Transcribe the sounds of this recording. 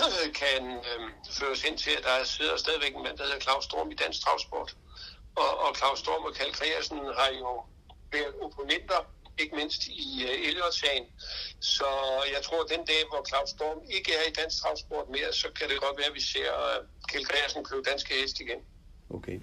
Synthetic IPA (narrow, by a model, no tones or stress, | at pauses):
kʰænføːɐshen̰t͡sʰe̝læd̥ɑ̈æɐse̝ð̞̰ˠɐsd̥ɛːð̞ˠʋeɡ̥enmæn̰d̥ɑhe̝ðˠɐkʰlɑ̈ʊsd̥o̝ɐ̰mid̥æn̰sɡ̥̚t͡sʰʁɑ̈ʊsb̥ɔ̰ːd̥ | ɒːkʰlɑ̈ʊsd̥o̝̰ːmɒkʰælkʰʁɛ̰æsn̩hɑjo̝ | ʋæɐðˠo̝pʰo̝nen̰d̥ɐe̝ɡ̥əme̝n̰sd̥ielɒsɛːnsɒ̽jɑ̈ɪt͡sʰʁo̝ɐ̰d̥end̥ɛ̰ːʋɒkʰlɑ̈ʊsd̥oːme̝ɡ̥əæɐid̥æn̰s̚t͡sʰʁɑ̈ʊsb̥ɔ̰ːd̥me̝ːɐsɒ̽kʰæɾ̥e̝ɡ̥ɒ̽d̥ʋæːɐʋise̝ɐ̰ | kʰælkʰʁɛæsn̩kʰlud̥ænsɡ̥əhesd̥iɡ̥en | okʰe